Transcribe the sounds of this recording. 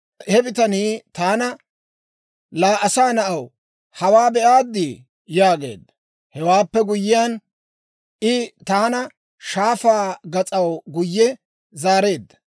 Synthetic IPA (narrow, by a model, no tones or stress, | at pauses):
hɛbɪt̪ɐniːt̪aːnɐ | laːʔɐsaːnɐʔɐw | hɐwaːbɛʔaːd̪ːi | jaːɡe̞̰ːd̪ːɐ | hɛwaːpːɛɡʊjːɪjaːn | ʔɪt̪aːnɐ | ʃaːfaːɡɐt͡sʼɐwɡʊjːɛ | zaːɾe̞ːd̪ːɐ̥